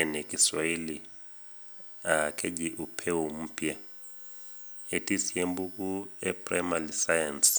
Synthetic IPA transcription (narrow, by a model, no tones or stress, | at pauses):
ɛnekʼiswaili | akʰeɟiʔupʰɛwom̩ːpʰʼia | etʼisiembuk̬ʼuɛpʰʼra̰malisajans